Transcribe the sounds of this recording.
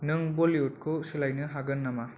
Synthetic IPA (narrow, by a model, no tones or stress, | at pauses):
nɯŋbolijut̚kʰusilajnɯɦaɡɯnːama